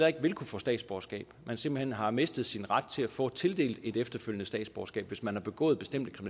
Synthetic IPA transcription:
ɐe̝ɡ̥ʋe̝lkʰufɔ̽ːsd̥ɛ̰ːd̥sb̥ɒ̰ɐsɡ̥ɛ̰ːb̥mænsem̰b̥l̩hen̰ɦɑ̈me̝sd̥əð̞̩ˠsinʁäd̥̚t͡sʰe̝læfɔ̰̽ːt͡sʰe̝ld̥e̝̰ːld̥e̝d̥efd̥ɐføljənəsd̥ɛ̰ːd̥sb̥ɒsɡ̥ɛ̰ːb̥ʋe̝smænhɑ̈b̥e̝ɡ̥ɔ̰̽ːð̩ˠb̥e̝sd̥em̰d̥əkʰʁimi

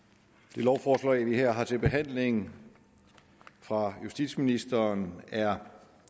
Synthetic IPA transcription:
d̥e̝lɒʊfɒːslɛɪʋiheɐ̰ɦɑ̈t͡sʰe̝lb̥e̝ɦæn̰le̝ŋ | fʁɑ̈jusd̥ḭd̥sminisd̥ɐnæɐ

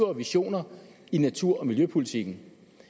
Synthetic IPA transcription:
ɐʋiɕo̝̰ːnɐ | inæt͡sʰuɐ̰ɒ̽miljøpʰulit͡sʰiɡ̥n̩

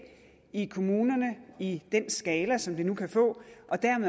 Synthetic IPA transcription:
ikʰo̝muːnɐnəid̥en̰sɡ̥ɛːlɐsɒ̽md̥enukʰæfɔ̰̽ːʔɒ̽d̥æɐme

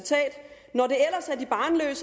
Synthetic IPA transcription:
t͡sʰɛ̰ːd̥ | nɒɾe̝el̰ɐsæɐdib̥ɑ̈ːnlø̰ːsə

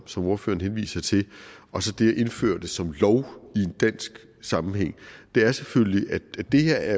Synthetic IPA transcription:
sɒ̽mo̝ɐfø̰ːɐn̩ɦenʋḭːsɐt͡sʰe̝ɒ̽sɒ̽d̥e̝æʔe̝nfø̰ɐd̥e̝sɒ̽mlɒʊie̝nd̥æn̰sɡ̥ | sɑ̈mm̩heŋ̰d̥e̝æɐsefølliʔæ̥æd̥e̝heɐ̰æɐ

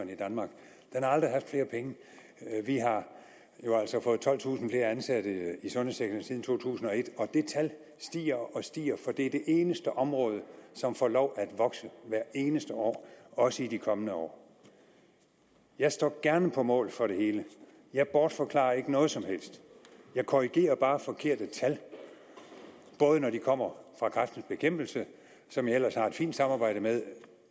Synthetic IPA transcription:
nid̥ænmɑ̈ːɡ̥ | d̥enhɑ̈ɑ̈ld̥ʁiɦɑfd̥fle̝ːɐpʰeŋə | ʋiɦɑ̈ | jo̝æl̰sɒ̽fɔ̽ːð̩ˠt͡sʰɒ̽l̰ˠt͡sʰṵːsn̩fle̝ːɐænsæd̥əisɔ̽nheseɡ̥d̥ɐnsiðˠn̩t͡sʰo̝̰ːt͡sʰṵːsn̩ɒ̽e̝d̥ɒ̽d̥e̝t͡sʰæl | sd̥ḭːɐɒ̽sd̥ḭːɐfɒ̽d̥e̝æɐd̥e̝ʔe̝ːnəsd̥əʔɒ̽mʁɔ̽ːð̞ˠəsɒ̽mfɒ̰ːlɒʊ̰ʔæd̥ʋɒ̽ɡ̥səʋæɐ̰e̝ːnəsd̥əɒ̰ːɒ̽səidikʰɒ̽mənəɒ̰ː | jɑ̈ɪsd̥ɒ̰ːɡ̥æɐnəpʰɒ̽mɔ̰̽ːlfɒ̽ɾe̝he̝ːlə | jɑ̈ɪb̥ɒːd̥fɒ̽kʰlɑ̰̈ːɐe̝ɡ̥ənɔ̽ːð̞̩ˠsɒ̽mhel̰sd̥jɑ̈ɪkʰoʁiɡ̥e̝̰ːɐb̥ɑ̈ːfɒ̽kʰe̝ɐ̰d̥ət͡sʰæl | b̥ɔ̽ːð̞ˠənɒdikʰɒ̽m̰ɐfʁɑ̈kʰʁafd̥n̩sb̥e̝kʰem̰b̥l̩sə | sɒ̽mjɑ̈el̰ɐshɑ̈e̝d̥fḭːnd̥sɑ̈mɑ̈ːb̥ɑ̈ɪ̰ɾ̥əmeðˠ

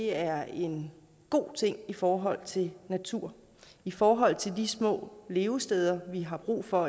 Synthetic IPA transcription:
e̝æɐe̝n | ɡ̥o̝̰ːt͡sʰe̝ŋ̰ifɒːɦɒ̽l̰t͡sʰe̝lnæt͡sʰuɐ̰ | ifɒːɦɒ̽l̰t͡sʰe̝ld̥ismɔ̰̽ːle̝ːʊsd̥eːð̞ˠɐʋiɦɑ̈b̥ʁṵːfɒ̽

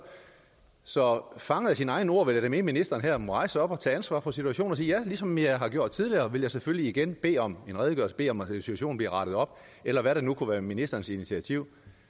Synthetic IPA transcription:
sɒ̽fɑ̈ŋəð̩ˠjɑsinɑ̈ɪn̩əo̝ɐ̰ʋe̝ljaɾ̥eme̝minisd̥ɐːnɦæɐmoɑ̈ɪsɒ̽b̥ɒ̽t͡sʰɛ̰ːænsʋɑ̰̈pʰɒ̽sit͡sʰuæɕo̝̰ːnsiːjælisɒ̽mjɑ̈ɪɦɑ̈ɡ̥jo̝ɐ̰d̥t͡sʰiðˠliɐːʋe̝ljɑ̈ɪsefølliːɡ̥enb̥e̝̰ːɒ̽me̝nʁɛːðˠɡ̥ɶɐsb̥e̝̰ːɒ̽mensi̥u̥æɕo̝̰ːn̩bliɐʁɑ̈ɾ̥ð̞ˠɒ̽b̥̚ | elɐʋæɾɑnukʰuʋæːɐminisd̥ɐːn̩sinit͡sʰiæt͡sʰiʊ̰

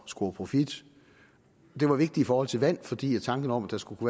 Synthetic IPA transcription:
sɡ̥o̝ɐpʰʁo̝fid̥ | d̥e̝ʋɑ̈ʋe̝ɡ̥̚d̥i̥ifɒːɒ̽l̰t͡sʰe̝lʋæn̰fɒ̽d̥ḭːjɑt͡sʰɑ̈ŋɡ̥ənəɒ̽mæd̥ɑsɡ̥ukʰuʋæː

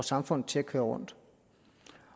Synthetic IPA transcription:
sɑ̈mfɔ̽n̰ð̩ˠt͡sʰe̝lækʰøːɐʁɔ̽n̰d̥

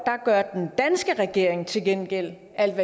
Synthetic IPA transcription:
d̥ɑ̈ɡ̥ɶɐ̰d̥end̥ænsɡ̥əʁɛɡ̥e̝ɐ̰e̝ŋt͡sʰe̝lɡ̥enɡ̥el̰ | æl̰ʋæ

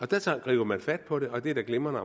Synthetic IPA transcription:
ɒ̽d̥æt͡sʰɑ̰̈ːɡ̥ʁḭːʊ̥ɐmænfæd̥̚pʰɒ̽ɾe̝ʔɒ̽d̥e̝ɐd̥æɡ̥lemɐnəɒ

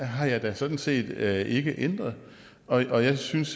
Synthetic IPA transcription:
ɦɑ̈jɑ̈ɪd̥æsɒ̽d̥n̩se̝̰ːd̥øʔe̝ɡ̥əʔend̥ʁɐðˠ | ɒ̽ʔɒ̽jɑ̈ɪsyns

